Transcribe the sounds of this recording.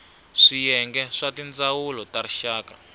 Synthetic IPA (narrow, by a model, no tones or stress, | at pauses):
ʂijɛŋɡɛʂatind͡zawulɔtaɾiʃaːka